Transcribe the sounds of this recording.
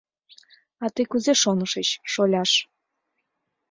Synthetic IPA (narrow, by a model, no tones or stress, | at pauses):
ɑt̪ɨkuzeʃonəʃət͡ɕʃolʲɑʃ